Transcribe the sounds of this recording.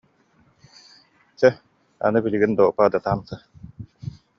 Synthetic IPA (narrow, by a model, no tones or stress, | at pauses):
t͡ɕɛ | a̰nɯbiliɡind̪ɔːpad̪at̪aːmsɯ